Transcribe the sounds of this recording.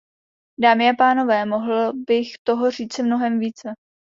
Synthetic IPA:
daːmɪapaːno̞vɛːmo̞ɦl̩bɪxt̪o̞ɦo̞r̝iːt͡sɪmno̞ɦɛmviːt͡sɛ

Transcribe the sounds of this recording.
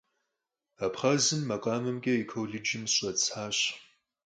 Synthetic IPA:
apʰχɐzɨmːɐqʼaːmɨmkʲʼɐikʰowɮɪd͡ʒɪmɕʷʼɐt͡sʰħaːɕ

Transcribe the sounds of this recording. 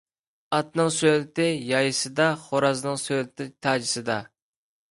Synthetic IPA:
ɑt̪nɨŋsølɪt̪ɪjɑjɨsɨd̪ɑχoɾɑznɨŋsølɪt̪ʰɪt̪ʰɑːd͡ʒɪsɨd̪ɑ

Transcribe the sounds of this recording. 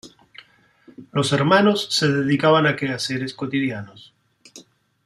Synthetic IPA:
lo̞seɾmano̞sːeðeðikaβanakeaseɾeskot̪iðjanos

